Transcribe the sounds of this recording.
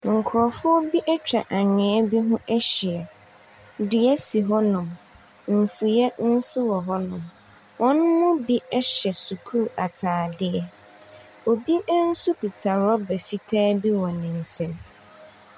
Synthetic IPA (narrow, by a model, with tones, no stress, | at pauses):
ŋ̩˨kʰʊ˨ɾɔ˨fʊ˦ɔ˦bi˦ʔɛ˦t͡ɕᶣɾa˨ʔa˨ɲᶣɪ̃˨ɛ˦bi˦ɦʊ̃˦ʔɛ˦ɕɪ˨ɛ˨ | dʊ˨ɛ˦si˨ɦɔ˦nʊ̃˨m | m̩˨fu˨jɛ˦n̩˦sʊ˦wɔ˨ɦɔ˦nʊ̃˨m | wʔɔ̃˦nʊ̃˦mmʊ̃˦bi˦ɛ˦ɕɛ˨su˨kʰu˦ɾu˨ʔa˨tʰaː˨dɪ˦ɛ˦ | o˨bi˦ɛ˦n̩˦su˦pi˨tʰa˨ɾɔ˦bɛ˨fi˦tʰɛː˦bi˦wɔ̃˨nɪ̃˨n̩˨sɛ̃˦m